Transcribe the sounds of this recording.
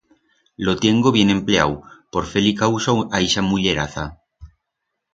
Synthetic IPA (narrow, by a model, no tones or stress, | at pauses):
lot̪jeŋɡoβje̞nempleawpoɾfelikawsoaiʃamuʎeɾaθa